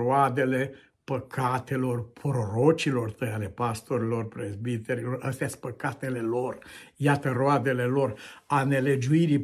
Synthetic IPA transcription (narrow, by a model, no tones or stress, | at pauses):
oad̪e̞le̞ | pəkʰat̪e̞lo̞rpʰɾoɾot͡ʃilo̞rt̪əjale̞past̪o̞ɾilo̞rpɾezbit̪eɾilo̞rəst̪ejaspəkat̪e̞le̞lo̞rjat̪əɾoad̪e̞le̞lo̞rane̞le̞d͡ʒuiɾi